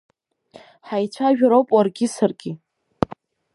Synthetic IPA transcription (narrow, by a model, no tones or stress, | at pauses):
ħajt͡ɕʷʰaʒᶣaɾowpʼwarɡʲɪsarɡʲɪ